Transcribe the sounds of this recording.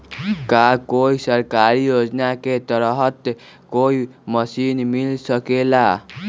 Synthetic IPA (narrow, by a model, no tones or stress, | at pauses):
kakoisəɾkaɾijod͡ʒnaket̪əɾɦət̪ | koiməsinmilsəkela